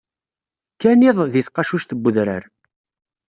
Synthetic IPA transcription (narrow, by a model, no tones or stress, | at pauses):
kæniðˤðiθqːɑʃuʃt̪əbːʊðɾə̰ɾ